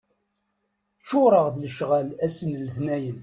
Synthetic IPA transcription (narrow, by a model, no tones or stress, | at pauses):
t͡ʃːʊɾˤəʁðləʃʁælæsənlθnæjən